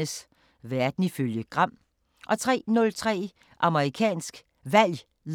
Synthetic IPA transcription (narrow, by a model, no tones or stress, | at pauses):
əs | ʋæɐd̥n̩iføljəɡ̥ʁɑ̈m̰ | ʔɒ̽t͡sʰʁɛ̰ːnɔ̽lt͡sʰʁɛ̰ː | ʔɑ̈məʁikʰɛ̰ːnsɡ̥ | ʋæl̰ | l